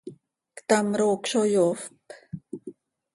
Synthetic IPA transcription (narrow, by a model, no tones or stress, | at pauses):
kt̪amɾoːkʃojofp